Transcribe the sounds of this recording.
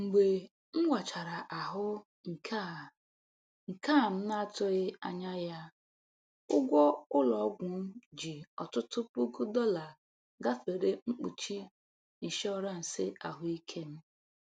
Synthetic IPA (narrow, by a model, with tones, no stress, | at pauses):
ŋ͡m̩˨ɡ͡be˨ | ŋ͡m̩˦wʷa˨t͡ʃa˨ɾa˨ʔa˨ɦʊ˦ | ŋ̩˨ka˦ | ŋ̩˨ka˦˨m̩˦na˦tʊ˦ɪ˦a̰˨ɲa˦ja˦ | ʊ˦ɡʷɔ˦ʊ˦lɔ˨˦ɡʷʊ˨m̩˦d͡ʒi˨ɔ˨tʊ˦tʊ˦pu˦ɡʊ˦dɔ˦la˨ | ɡa˦fe˨ɾe˦ŋ͡m̩˦k͡pu˨t͡ʃi˦ | n̩˨ʃɔ˦ɔ˦ɾa˦n̩˨sɪ˦ʔa̰˨ɦʊ˦i˦kʰe˦m̩˦